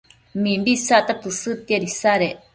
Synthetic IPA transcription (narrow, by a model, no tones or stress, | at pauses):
mĩmbisaʔt̪apɨsɨt̪iaɾisaɾeʔ